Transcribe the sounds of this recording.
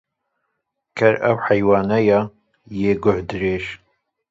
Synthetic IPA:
kʰɐɾɐ̰wħɐjwɑːnɐja | jeːɡʊhd̪ɨɾeʃ

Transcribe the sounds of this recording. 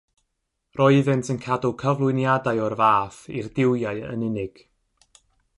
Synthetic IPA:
rʔɔɨðɨntʰənkʰadʊlˠkʰəvlˠʊɨnjadaɨɔrvaːfḭrdɪwjaɨə̰nɪnɪɡ̥

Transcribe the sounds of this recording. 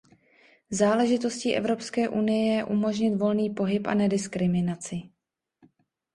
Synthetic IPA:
zaːlɛʒɪt̪o̞sciʔɛ̰vɾo̞pskɛːʔunɪjɛjɛʔumo̞ʒɲɪt̪vo̞lniːpo̞ɦɪpʔa̰nɛdɪskɾɪmɪnat͡sɪ

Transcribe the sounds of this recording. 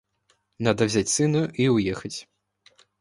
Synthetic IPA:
nad̪ɐwzʲat͡sʲsɨnuʔiwjɛxɐt͡sʲ

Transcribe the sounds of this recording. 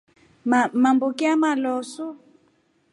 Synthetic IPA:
mambokiamalɔsu

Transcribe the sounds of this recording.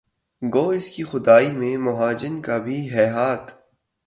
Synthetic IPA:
ɡoːɪskixʊd̪aːimẽmʊɦaːd͡ʒɪnkabʱiɦɛːɦaːt̪

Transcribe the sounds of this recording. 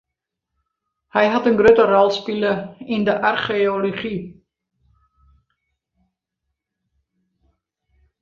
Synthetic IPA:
həjɦɐtənɡɾøtərɔlˠspiləɪndəʔɑrχeoloχi

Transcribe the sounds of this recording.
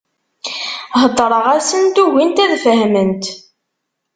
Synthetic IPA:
ɦəd̪ˤɾˤəʁæsənt̪uʝint̪æðfəɦmənt̪

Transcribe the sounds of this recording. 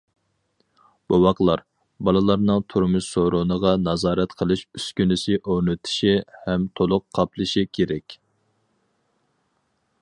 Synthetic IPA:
b̥owɑqlˠɑɾ | bɑlˠɨlˠɑɾnɨŋt̪ʰuɾmuʃsoɾʊnəʁɑnɑzɑːɾɛt̪qʰəlˠɨʃyskʲynɪsɪʔoɾnɨt̪ʰɪ̥ʃihɛmt̪ʰolˠʊqʰːɑplˠɨʃikʲʰeɾɛkʲ

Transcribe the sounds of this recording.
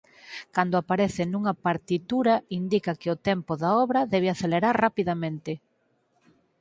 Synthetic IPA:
kand̪ʊapaɾɛθɪnũŋɐpaɾt̪it̪uɾɐind̪ikɐkɪʊt̪ɛmpoðaɔβɾɐðɛβ̞eaθeleɾaɾrapiðamẽnt̪ɪ

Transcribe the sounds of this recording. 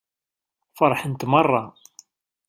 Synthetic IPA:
fɑɾˤħənt̪mɑrˤːɑ

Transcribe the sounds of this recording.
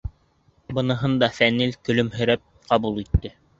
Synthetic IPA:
bɤ̆nɤ̆ɦɤnd̪ɑfænilkɵ̆lɵ̆mɦɵ̆ɾæp̚qʰɑbulˠit̪ːɘ

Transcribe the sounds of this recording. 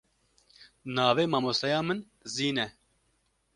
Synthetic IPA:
nɑːveːmaːmoːsɑjɑːmɨn | ziːnɛ

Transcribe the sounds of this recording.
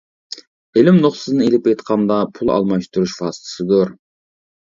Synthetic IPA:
elɪmnoχsɨznɨelɪp̚ejt̪qʰɑnd̪ɑpʰulˠɑ̰lˠmɑʃt̪uɾuʃfɑːsɨ̥t̪ʰɨ̥sɨd̪ʊɾ

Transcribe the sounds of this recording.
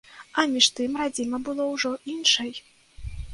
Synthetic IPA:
ɐmʲiʂt̪ɨmrad͡zʲimɐbɨlˠɔwʐɔʔinʂɐj

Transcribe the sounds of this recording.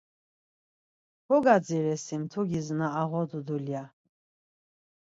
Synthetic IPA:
hɔɡad͡ziɾɛsimt̪ʰuɡʲiznaːʁɔd̪ud̪ulja

